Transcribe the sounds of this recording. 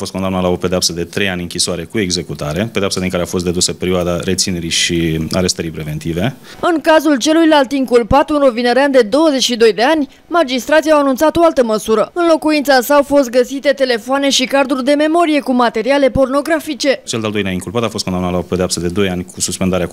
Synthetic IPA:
afot̪kod̪amnat̪lao̞ped̪eapsəd̪e̞t̪ɾe̞janʲɨŋkʲisoaɾe̞kue̞ɡze̞kut̪aɾe̞pe̞d̪eapsad̪iŋkaɾeafo̞st̪d̪e̞d̪usəpeɾioad̪aɾe̞t̪sine̞ɾiʃiaɾest̪əɾijpɾe̞ve̞nt̪ive̞ | ɨŋkazult͡ʃe̞lujlalt̪iŋkulpat̪unɾovinəɾeand̪e̞d̪o̞wəze̞t͡ʃʃid̪o̞jd̪e̞anʲ | mad͡ʒist̪ɾat̪siawanunt̪sat̪o̞alt̪əməsuɾəɨnlo̞kuint̪sasaːwfo̞st̪̚ɡəsit̪e̞t̪e̞le̞foane̞ʃikard̪urʲd̪e̞me̞mo̞ɾije̞kumat̪e̞ɾiale̞po̞rno̞ɡɾafit͡ʃe̞t͡ʃeld̪eald̪o̞jnaiŋkulpat̪afot̪̚konamnat̪laope̞d̪eapsəd̪ed̪o̞janʲkʰususpend̪aɾea

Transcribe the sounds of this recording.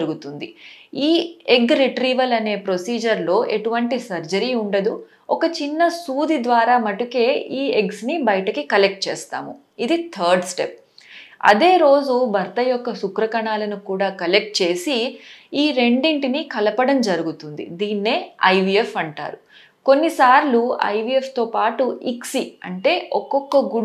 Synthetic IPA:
ɾuɡut̪und̪ḭiːeɡɾiʈɾiːʋɐlɐne̞ːpɾo̞siːd͡ʒɐɾlo̞ːʔe̞ʈuʋɐɳʈisɐɾd͡ʒɐɾiːuɳɖɐd̪u | ɔkɐt͡ʃinːɐsuːd̪id̪ʋaːɾaːmɐʈuke̞ːʔiːeɡsnibɐjɐʈɐkikɐle̞k̚ʈ̚t͡ʃḛːst̪a̰ːmu | id̪it̪ʰɐːɾɖsʈe̞p̚ | ɐ̰d̪e̞ːɾo̞ːd͡ʒubʱɐɾt̪ɐjɔkːɐsukɾɐkɐɳaːlɐnukuːɽaːkɐle̞k̚ʈ̚t͡ʃe̞ːsiiːɾe̞ɳɖiɳʈinikɐlɐpɐɽɐmd͡ʒɐɾuɡut̪und̪ḭd̪iːnːeːɐjʋiefɐɳʈa̰ːɾu | ko̞nːisaːɾluɐ̰jʋiefʰt̪o̞ːpaːʈuiksiɐɳʈe̞ːʔɔkːɔkːɐɡu

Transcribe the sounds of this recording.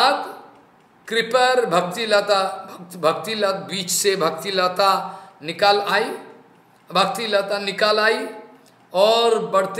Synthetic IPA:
ad̪ | kɾipəɾbʱək̚t̪ilat̪abʱəkt̪ilat̪̚bit͡ʃsebʱəkt̪ilat̪anikalai | bʱək̚t̪ilat̪anikalai | ɔɾbəɽ̤t̪

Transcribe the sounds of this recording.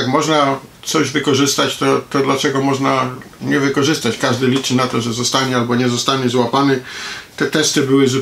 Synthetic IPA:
akmɔʐnat̪sɔʑvɘkɔʐɘst̪at͡ɕt̪ɔt̪ɔd̪lat͡ʂɛɡɔmɔʐnaɲɛvɘkɔʐɘst̪at͡ɕkaʐd̪ɘlʲit͡ʂɘnat̪ɔʐɛzɔst̪aɲɛalbɔɲɛzɔst̪aɲɛzwapanɛt̪ɛt̪ɛst̪ɘbɘwɘzu

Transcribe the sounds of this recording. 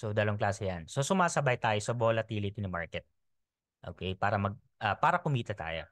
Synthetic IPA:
sod̪ɐloŋklaːsɛjanso̞sʊmaːsɐbɐjt̪aːjosɐbolɐt̪iːlɪt̪ɪnɐma̰ɹkɛt̪̚ | ʔo̰ːkejpaːɾɐmɐɡ̚ | ʔɐpaːɾɐkʊmiːt̪ɐt̪a̰ːjo̰

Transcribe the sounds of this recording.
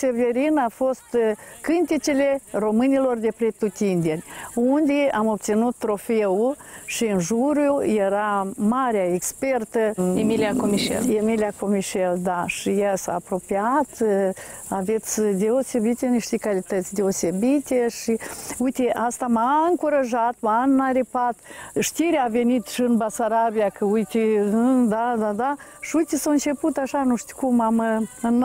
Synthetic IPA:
seveɾinafo̞st̪kɨnt̪it͡ʃele̞ro̞mɨnʲilo̞rd̪e̞pɾet̪ut̪ind̪enʲund̪eamo̞p̚t̪sinut̪ːɾo̞feuʃiɨnʒuɾjuje̞ɾamaɾeaekspe̞rt̪əemiliakomiʃḛlemiliakomiʃeld̪aʃijasa̰ːpɾo̞piat̪ | avet̪sʲd̪eosebit̪eniʃt̪ekalit̪ət̪sʲd̪eosebit̪eʃiujt̪eʔast̪amaɨŋkuɾaʒat̪manːaɾepat̪ʃt̪iɾeave̞nit̪ʃiɨnbasaɾabiakəujt̪ed̪ad̪ad̪aʃiujt̪esaɨnt͡ʃe̞put̪aʃanuʂt̪i̥kumamɨn

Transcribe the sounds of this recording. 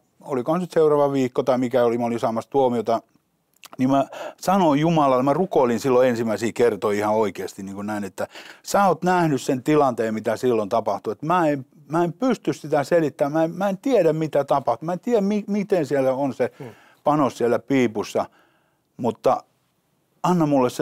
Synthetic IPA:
olikohɑnsnyt̪seurɑːʋɑʋiːkːot̪ɑimikæolimæolinsɑːmɑst̪uomiot̪ɑ | nimæsɑnojumɑlɑlmærukoˑilinsilːoensimˑæisiːkert̪oiihɑoikeːst̪iniːŋkunnæinet̪ːæsæːot̪næhnyssent̪ilɑnt̪eːmmit̪æsilːont̪ɑpɑht̪uet̪mæːem | mæempyst̪yssit̪æselit̪ːæːmmæemmæent̪ieɾæmmit̪æt̪ɑpɑht̪umæent̪iææmmimit̪ensielːæonse | pɑnossielːˑæpiːpusːɑ | mut̪ːɑ | ɑnːɑmmulːess

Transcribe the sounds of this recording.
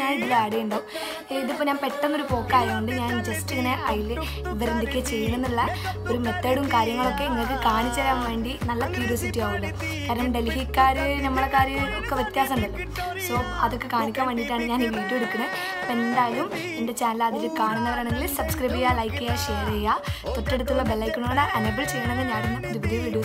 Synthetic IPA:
aːiʈːilɐaːɽejuɳɖoː | iðɨpːoɲaːnpe̞ʈːɐnːo̞ɾupo̞ːkːaːjioɳɖɨɲaːnd͡ʑɐstiŋɐneʔɐjil | iʋɐɾend̪ikːet͡ɕejːunenːuɭːɐo̞ɾume̞t̪ːeːɽumkaːɾjɐŋːɐɭo̞kːe̞iŋːɐɭkːɨkaːɳit͡ɕːɐɾaːnʋe̞ːɳɖinɐlːɐpiɾoːsitːijaːɣuɭːo | kaːɾɐɳɐmɖe̞lɦikːaːɾɨnɐmːɐɭɽekaːɾjɐŋɐɭokːeʋjet̪jaːsɐnɖ̪ɐlːum | so̞ːɐðo̞kːekaːɳikʲːaːmʋɐɳɖiʈːaːɳɨɲaːniʋiːʈːuoɽukːunɐ | e̞nd̪aːjlum | ende̞t͡ɕaːnɐlɐðilkaːɳunːɐʋɐɾaːɳe̞ŋɡililsɐbskɾɐjbɐjaːlɐjkːɐjaɕe̞ːɾejat̪oʈːe̞ɽut̪ːuɭːɐbelːɐjkːuɳuɐɳɨʔɐnebːɐlt͡ɕe̞jːɐɳenŋːɡilɲaːnumdupidiʋiɽuː

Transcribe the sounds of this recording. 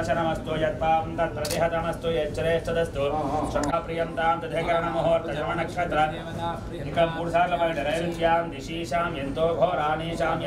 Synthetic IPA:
ɐt͡ʃɐnɐmɐst̪ujɐt̪̚paːʋɐnt̪ɐt̪ɾɐt̪iɦɐt̪ɐmɐst̪ujeːt͡ʃːɐɾeːʂʈɐd̪ɐst̪uʂɐkkaːpɾijɐnt̪aːmt̪ɐd̪ʱekɐɾɐɳɐmɐɦoːɐɾt̪ɐd͡ʒɐmɐɳɐkʂɐt̪ɾɐ | nikɐmpuːɽsaːɾlɐpɐnɐɾɐjɾit̪jaːmd̪iʃiːʃaːmjent̪oːbʱoːɐɾaːniːʃaːmj

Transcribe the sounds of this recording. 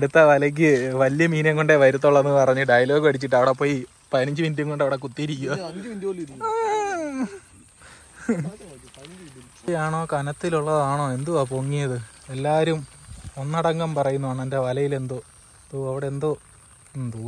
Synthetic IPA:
ɐɽut̪ːɐʋɐlɐk̬ʲːɨʋɐlijɐmiːneŋɡoɳɖeʋɐɾut̪̬ːoɭːɐenːɨpɐrɐɲːɨɖɐjɐloːɡɨpɐɽit͡ɕːiʈːɨɐʋiɽepːo̞ːji | pɐniɲd͡ʑɨʋinduŋkoɳɖɐʋiɽek̬ut̪ːiɾikʲːuɐd | ijaːɳo̞ːkɐnɐt̪ːiluɭːɐðaːɳo̞ːe̞nd̪uapoŋːijɐðɨe̞lːaːɐɾumonːɐɽɐŋɡɐmpɐrɐjunːuaːɳendeʋɐlɐjile̞nd̪o | t̪uɐʋiɽe̞nd̪o | nd̪u

